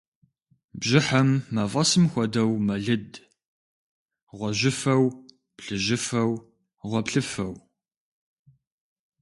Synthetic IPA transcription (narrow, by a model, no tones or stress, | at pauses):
bʑɪħɐmːɐvʁɐsɨmxʷɔdɐwmɐɮɨd | ʁʷɔʑɪfɐw | pɬɨʑɪfɐw | ʁʷɔpɬɨfɐw